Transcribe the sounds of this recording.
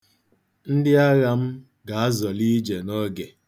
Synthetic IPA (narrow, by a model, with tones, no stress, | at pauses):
n̩˦dɪ˦a˦ɣa˨m̩˦ | ɡa˨a˦zɔ˨li˦d͡ʒe˨nɔ˦ɡe˨